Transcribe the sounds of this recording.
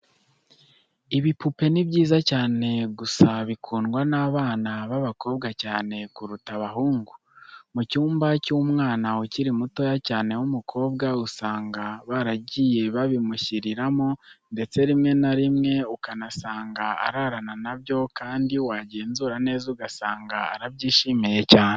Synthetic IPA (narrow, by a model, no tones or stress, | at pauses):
iβipupe̞niβɟiːzacaːne̞ɡusaβikʰuːnɡwanaːβaːnaβaβako̞ːbɡacaːne̞kuɾutaβaɦuːŋɡu | mucuːmbacumŋaːnauciɾimuto̞jacaːne̞wumukʰo̞ːbɡausaːŋɡaβaɾaɟije̞βaβimuçiɾiɾamonde̞t͡se̞ɾimŋe̞naɾimŋe̞ukanasaːŋɡaa̰ɾaɾananaβjo̞kaːndiwaːɟe̞ːnzuɾane̞ːzuɡasaːŋɡaːɾaβɟiːʃimije̞caːne